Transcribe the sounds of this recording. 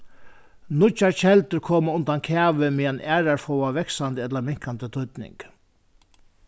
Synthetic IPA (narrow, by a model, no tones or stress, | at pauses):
nʊt͡ʃaɹt͡ʃʰɛlt̪əɾkʰoːmaʊnt̪ankʰæːʋəmɪːanæːɹaɹfɔwaʋɛksand̪əɛt̪lamɪŋ̥kant̪ət̪ʰʊt̪nɪ̰ŋk